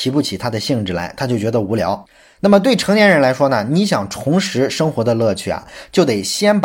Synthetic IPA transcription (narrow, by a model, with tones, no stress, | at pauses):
i˧˥pu˥˩t͡ɕʰi˨˩t̪ʰa˥d̪ə˨ɕi˥˧ŋʈ͡ʂɻ̩˥˩la˧˥ɪt̪ʰa˥t͡ɕjo˥˩ʊt͡ɕɥɛ˧˥d̪ə˧u˧˥ljɑ̰˧˥ʊ | na˥˩mə˩t̪we˥˩ɪʈ͡ʂʰɤ˧˥ŋnjɛ˧˥nɻə˧˥nla˧˥ɪʂwɔ˥nə˨ni˧˥ɕjɑ˨˩ŋʈ͡ʂʰʊ˧˥ŋʂɻ̩˧˥ʂɤ˥ŋxwɔ˧˥d̪ə˧lɤ˥˧t͡ɕʰy˥˩a̰˩t͡ɕjo˥˩ʊt̪e˨˩ɪɕjɛ˥np